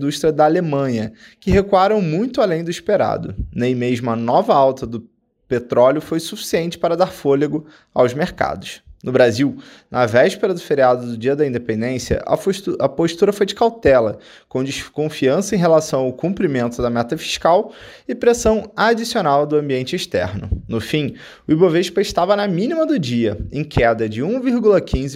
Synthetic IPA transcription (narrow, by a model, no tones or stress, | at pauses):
d̪uʃt̪ɾiɐd̪ɐːlemɐ̃ɲɐ | kɪɦekuaɾɐ̃w̃mũj̃t̪ʊalẽj̃d̪ʊiʃpeɾa̰d̪ʊ̰nẽj̃meʒmʊɐnɔvɐawt̪ɐd̪ʊ | pet̪ɾɔljʊfojsufi̥siẽnt͡ʃɪ̥paɾɐd̪aɾfoleɡʊ | a̰wzmeɾka̰d̪ʊʃnʊbɾaziw | nʔɐvɛʃpeɾɐd̪ʊfeɾiad̪ʊd̪ʊd͡ʒiɐd̪ɐĩnd̪epẽnd̪ẽsjɐ̰ʔɐ̰fʃɐpoʃt̪uɾɐfojd͡ʒɪkawt̪ɛlɐ | kõw̃d͡ʒiʃkõfiɐ̃sɐẽɦelasɐ̃w̃awkũmpɾimẽnt̪ʊd̪ɐmɛt̪ɐfi̥ʃkawɪpɾesɐ̃w̃ad͡ʒisionawd̪ʊɐ̃mbiẽnt͡ʃɪeʃt̪ɛ̰ɾnʊ̰nʊfĩ | ʊiboveʃpɐɪʃt̪avɐnɐmĩnimɐd̪ʊd͡ʒiɐẽkʰɛd̪ɐd͡ʒɪũviɾɡulɐkʰĩzɪ